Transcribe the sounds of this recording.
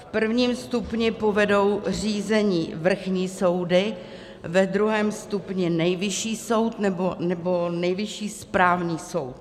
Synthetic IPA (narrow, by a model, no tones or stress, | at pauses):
fpr̩vɲiːmst̪upɲɪpo̞vɛdo̞wriːzɛɲiːvr̩xɲiːso̞wdɪ | vɛd̪ɾuɦɛːmst̪upɲɪnɛjvɪʃiːso̞wt̪nɛbonɛbo̞nɛjvɪʃiːspɾaːvɲiːso̞wt̪̚